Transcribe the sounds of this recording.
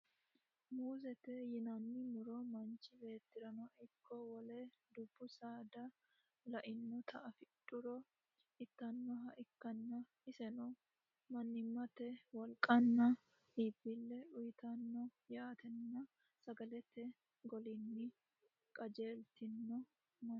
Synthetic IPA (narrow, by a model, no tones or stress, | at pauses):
muːsɛt̪ɛjɪnɐnːɪmʊɾɔmɐnt͡ʃːɪbe̞ːt̪ːɪɾɐnɔʔɪkːɔwɔlɛd̪ʊbːʊsaːd̪ɐ | lɐʔɪnːɔt̪ʰɐɐfɪtʼːʊɾɔ | ɪt̪ːɐnːɔɦɐʔɪkːɐnːɐ | ɪsɛnɔ | mɐnːɪmːɐt̪ɛwɔlkʼːɐnːɐ | hiːbːɪlːɛʊjɪt̪ɐnːɔjaːt̪ʰɛnːɐ | sɐɡɐlɛt̪ːɛ | ɡɔlɪnːɪ | kʼɐd͡ʒe̞ːlt̪ɪnːɔ | mɐ